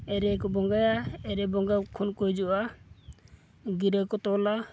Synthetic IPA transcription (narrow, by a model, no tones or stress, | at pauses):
ɛɾɛkɔbɔŋɡajaɛɾɛbɔŋɡakʰunkɔjd͡ʒuʔa | ɡiɾəkɔt̪ɔla